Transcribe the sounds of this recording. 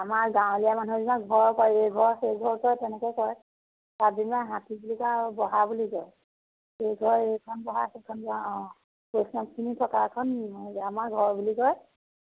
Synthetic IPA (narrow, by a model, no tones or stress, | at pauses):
amaɹɡãw̃lijamanuzinaɡʱɔɹkɔjejɡʱɔɹxeɡʱɔɹkɔjtɛnɛkɔjkɔj | tadinbaɦãtibulikabɔɦabulikɔɹj | eɡʱɔɹekʰɔnbɔɦa̰sekʰɔnba | pojsnɔk̚kʰinitʰɔkakʰɔnimanuamaɹɡʱɔɹbulikɔj